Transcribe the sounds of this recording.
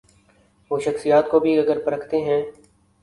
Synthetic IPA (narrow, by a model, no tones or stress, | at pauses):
ʋoːʃɐxsijaːt̪kobʱiɐɡəɾpɐɾəkʰt̪eɦɛ̃ː